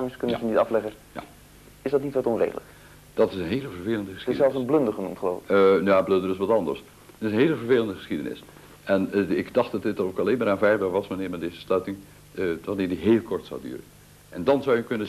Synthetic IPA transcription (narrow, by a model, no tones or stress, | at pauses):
aməskɵnəzənitɑflɛχə | ja̰ | ɪzdɑtnitʋɑtɔnrḛjdələk | d̥ɑtɪsənɦeːləvəɹveːləndəχəsxɪsɛlˠfsənblɵndəχənumtχəlo̰ːvnjaːblɵndərɪs̬ʋɑtɑndə̰ɹs | ɪsənɦeːləvəɹveːləndəχə̥sχidə̰nɪ̰s | ʔɛnɪkdɑχtdɑtdɪtdənokɑleːnmaːɾaːnvɛjbɛɹʋɑsmanɪːɹmɛdejzəslœɥtɪŋ | ʋanɪːɹdiɦeːlˠkʰɔɹtsa̰wdy̰ːrə̰n | ʔɛndɑnzawjəkɵnə